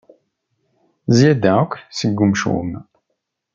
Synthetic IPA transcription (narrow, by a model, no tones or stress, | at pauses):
zjæd̪ækʷsəɡːumʃṵm